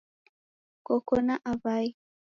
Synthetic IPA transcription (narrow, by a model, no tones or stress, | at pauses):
kɔkɔnaʔavaj